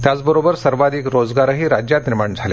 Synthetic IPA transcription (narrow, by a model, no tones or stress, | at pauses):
t̪jat͡sbəɾobəɾsəɾʋad̪ʱikɾod͡zɡaɾəɦiːɾad͡ʑjat̪niɾmaɳd͡zʱale